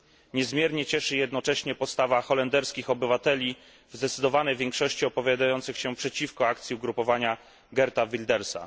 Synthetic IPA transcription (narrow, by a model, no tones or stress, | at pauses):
ɲɛzmjɛɾɲɛt͡ɕɛʂɘjɛd̪nɔt͡ʂɛɕɲɛpɔt̪st̪avaxɔlɛnd̪ɛɾskʲixɔbɘvat̪ɛlʲi | vzd̪ɛt̪sɘd̪ɔvanɛjvʲjɛŋkʂɔɕt͡ɕiɔpɔvʲjad̪ajɔnt̪sɘxɕɛpʂɛt͡ɕifkɔak̚t̪sʲiuɡɾupɔvaɲa | ɡɛɾt̪avʲild̪ɛɾsa̰